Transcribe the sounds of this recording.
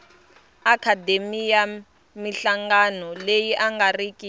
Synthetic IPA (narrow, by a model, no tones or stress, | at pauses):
akʰademija | miɬaŋɡanɔlejiʔaŋɡarikʼi